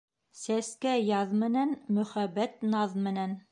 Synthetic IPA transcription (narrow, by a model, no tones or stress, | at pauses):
sæskæjɑðmɘ̆nænmɵ̆χæbːæt̪nɑðmɘ̆næn